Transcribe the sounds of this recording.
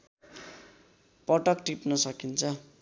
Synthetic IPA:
pʌʈʌkʈipnʌsʌkint͡sʰʌ

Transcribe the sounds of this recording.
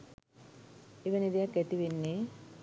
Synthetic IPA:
eʋənid̪ejakːæt̪iʋenːe

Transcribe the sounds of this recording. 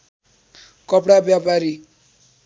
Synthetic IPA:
kʌpɽabjapaɾi

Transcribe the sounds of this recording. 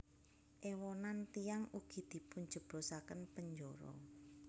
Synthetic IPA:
ʔewɔnant̪ijaŋuɡ̥i̤d̪̥i̤puɲ̥d͡ʒ̥ə̤b̥ɾo̤sakənpəɲd͡ʒoɾɔ̰

